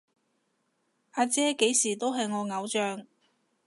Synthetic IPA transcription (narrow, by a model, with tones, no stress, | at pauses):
ʔaː˧t͡sɛː˥ke˨˥jsiː˨˩t̪o˥wɦɐ˨jŋɔː˨˧ŋɐ˨˧wt͡ʃœː˨˧ŋ